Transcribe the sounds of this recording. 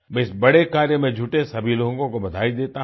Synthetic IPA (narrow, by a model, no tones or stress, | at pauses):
mɛ̃ɪsbɐɽekaːɾjəmẽd͡ʒʱuʈesɐbʱiloːõŋkõkobɐd̪ʱaːid̪eːt̪a